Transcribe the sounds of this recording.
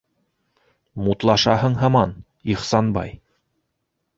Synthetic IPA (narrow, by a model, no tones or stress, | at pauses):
mut̪lˠɑʃɑɦɤɴɦɑmɑn | iχsɑnbɑ̰j